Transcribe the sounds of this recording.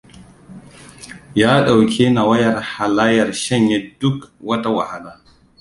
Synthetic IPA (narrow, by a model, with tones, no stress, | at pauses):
jaː˦ɗa˨wkʰʲe˦na˨wa˦jɐ˨ɾha˨laː˦jɐ˨ɾʃɛ˦ɲjɛ˦dʊ˦kwɐ˦ta˦wa̰˨ha˨laː˨